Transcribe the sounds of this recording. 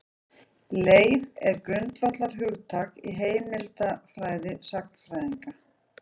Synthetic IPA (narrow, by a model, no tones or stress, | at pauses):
leːjvɛɾkɾʏnt̪vat̪laɾ̥ɦʏɣt̪ʰakḭɦeːjmɪlt̪afɾaːjðɪsaxnfɾajðiŋka